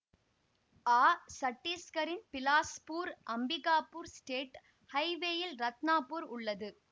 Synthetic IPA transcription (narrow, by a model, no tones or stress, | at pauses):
aːsɐʈːiːskɐɾɪnpɪlaːspuːɾʔɐmbɪɣaːpuːɾsʈeːʈ | hɐɪʋeːjɪlɾɐt̪naːpːuːɾʊɭːɐðɯ